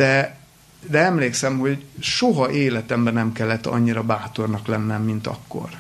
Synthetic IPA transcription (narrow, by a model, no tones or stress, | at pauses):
d̪̥ɛ | d̪ɛɛmleːksɛmho̞ɟʃoɦɒʔeːlɛt̪ɛmbɛnɛmkɛlːɛt̪ːɒ̰ɲːiɾɒbaːt̪o̞rnɒklɛnːɛmːin̪t̪ɒ̰kːo̰r